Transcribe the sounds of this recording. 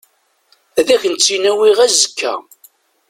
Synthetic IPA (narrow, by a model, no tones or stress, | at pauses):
æðæçənt͡sːinæwiʁæzəkʰːæ̰